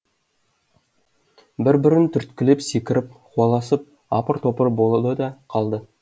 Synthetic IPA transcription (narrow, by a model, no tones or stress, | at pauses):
bɪɾbɪɾɪnt̪ʰʏɾt̪kʲɪlepsekʲɪɾɪp̚χwɑlˠɑsəp̚ | ɑpəɾt̪ʰo̞pəɾbo̞lˠəd̪əd̪ɑqʰɑlˠd̪ə